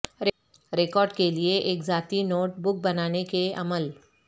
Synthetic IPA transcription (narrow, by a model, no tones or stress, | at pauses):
ɾ | ɾeːkɔːɾɖkelieʔeːkzaːt̪inoːʈ̚bʊk̚bɐnaːnekeɐ̰məl